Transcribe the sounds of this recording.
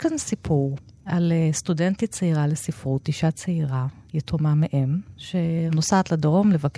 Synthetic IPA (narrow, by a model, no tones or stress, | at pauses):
kansipʰuʁ | alestudentit͡seiʁalesifʁutiʃat͡seiʁa | jetʰomameʔemʃenosaːt̪ladʁo̞mlevak